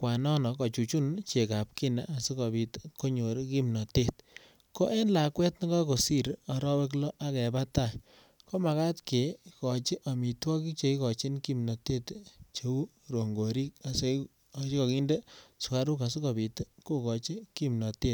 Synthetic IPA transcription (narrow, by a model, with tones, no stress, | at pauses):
kwa˨nɔ˦nɔ˨kɔ˨t͡ʃu˨t͡ʃu˦nt͡ʃe˨ka˨p̚ki˦na̰˨ʔa˨si˦kɔ˨pi˨tko˦ɲo˨ɾki˦mnɔ˨te˦t | ko˦ʔɛ˦nla˨kwɛ˦tni˦kɔ˦ko˨si˦ɾɔ˨ɾɔ˦we˦k̬lɔ˦ʔa˦kɛ˨pa˦ta˦ | ko˦ma˨ka˦tke˨˦kɔ˨t͡ʃɪ˦ʔa˨mi˨twɔ˦ki˦t͡ʃe˨i˦kɔ˨t͡ʃi˦nki˦mnɔ˨te˦tt͡ʃe˨u˦ | ɾo˨ŋɡo˨ɾi˦k̚a˨se˦˨ | t͡ʃi˦kɔ˨ki˦nde˦sʊ˨ka˦ɾu˦ka˨si˦kɔ˨pi˨tko˦kɔ˨t͡ʃi˦ki˦mnɔ˨te˦t